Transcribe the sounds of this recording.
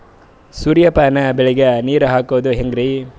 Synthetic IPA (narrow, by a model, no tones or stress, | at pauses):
suɾjɐpaːnɐbeɭiɡɐniːɾuɦaːkoʋɐd̪uɦeŋɡɾi